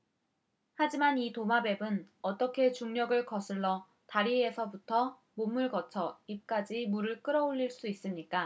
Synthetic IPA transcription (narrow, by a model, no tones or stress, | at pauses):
had͡ʑimanitomabe̞bɯnʌt͈ʌkʰe̞t͡ɕuŋɲʌɡɯɭkʌsʰɯɭːʌ | taɾiesʰʌbutʰʌ | momɯɭkʌt͡ɕʰʌip̚k͈ad͡ʑimuɾɯɭk͈ɯɾʌoʎːiɭs͈uis͈ɯmɲik͈a